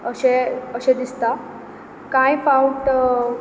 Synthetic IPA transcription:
əɕeəɕed̪ist̪a | kãjfawuʈ

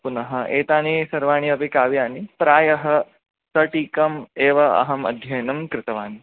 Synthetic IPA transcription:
punɐɦɐeːt̪aːnisɐɾʋaːɳ̃iɐpikaːʋijaːnipɾaːjɐɦɐ | sɐʈiːkɐmeːʋɐɐ̰ɦɐmɐ̰d̪ʱjɐjnɐmkɾɪt̪ɐʋaːni

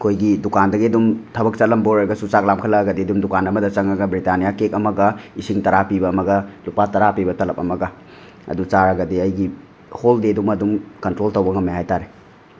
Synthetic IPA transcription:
kʰojɡidukandɐɡiɐdumtʰɐbɐk̚t͡ʃɐlɐmboɾɐɾɐɡɐsut͡ʃak̚lamkʰɐlɐɡɐdiɐdumdukanɐmɐdɐt͡ʃɐŋɐɡɐbɾitanijakek̚ɐmɐɡɐisiŋtɐɾapibɐːmɐɡɐlupatɐɾapibɐtɐlɐp̚ɐmɐɡɐ | ɐ̰dut͡ʃaɾɐɡɐdiɐjɡi | holdedumɐdumkɐntɾoltɐwbɐŋɐmeɦajtaɾe

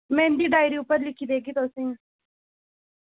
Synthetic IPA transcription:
mɛ̃ːɪnd̪iːd̪aːɪɾiːʊpəɾlɪkʰːiːd̪eːɡiːt̪osẽ

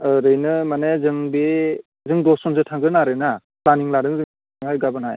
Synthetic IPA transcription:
ɯɾɯjnɯmanezɯŋbe | zɯŋdɔsɔnsɯtʰaŋɡɯnaɾɯna | planiŋlaɾɯŋzɯŋ | iŋhajɡabɯnhaj

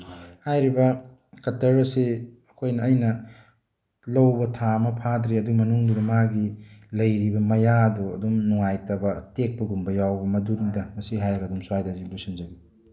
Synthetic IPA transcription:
hajɾibɐ | kɐtɐɾɐseɐkʰojnɐːjnɐ | lɐwbɐtʰamɐpʰadɾeɐdumɐnuŋdudɐmaɡilɐjɾibɐmɐjadoɐ̰dumnuŋajtɐbɐtek̚pɐɡumbɐjawbɐmɐdunidɐmɐsiɦajɾɐɡɐːdumsuwajdɐziblusinzɐɡi

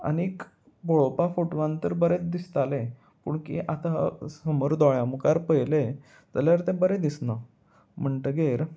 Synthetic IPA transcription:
a̰niik | boɭopafoʈʋãnt̪əɾbəɾet͡sd̪ist̪ale | puːɳkḭʔat̪asəmoɾd̪ɔɭjamukaɾpəjle | d͡zəljaɾt̪ẽbəɾed̪isnə | m̤əɳʈəɡeɾ

